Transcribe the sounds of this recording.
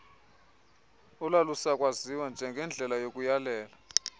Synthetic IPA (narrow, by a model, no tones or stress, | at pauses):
ulalusakʼwaziwand͡ʒʱɛŋɡʱɛnd͡ɮʱɛlajokʼujalɛːla